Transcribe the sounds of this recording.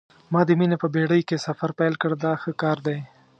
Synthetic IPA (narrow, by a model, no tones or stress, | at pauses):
mɑd̪əminepəbeɽəjkesafaɾpajlkəɽd̪ɑxəkɑɾd̪aj